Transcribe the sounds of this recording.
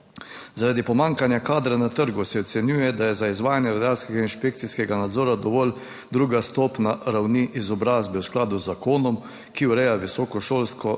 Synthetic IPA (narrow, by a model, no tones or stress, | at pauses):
zaɾaːd̪ipɔmaːŋkanjakaːd̪ɾanat̪əɾɡusɛɔt̪sɛnjuːjɛd̪ajɛzaizʋaːjanjɛɾad̪aːlskɛɡainʃpekt̪siskɛɡanad̪zɔːɾad̪ɔʋɔːl | d̪ɾuːɡast̪oːpnaɾawniʔizɔbɾaːzbɛwsklaːd̪uzːakoːnɔm | kiuɾɛjaʋisɔːkɔʃoːlskɔ